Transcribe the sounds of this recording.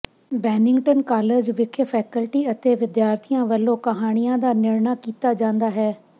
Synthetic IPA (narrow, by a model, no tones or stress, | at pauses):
bɛːnɪ̃ŋɡʈənkaːled͡ʑʋɪkʰəfɛːkəlʈiɐt̪eʋɪd̪jaːɾt̪ʰijãʋɐlokɐɦaːɽ̃ijãd̪aːnɪɽɳakiːt̪ad͡ʒãːnd̪aɦɛː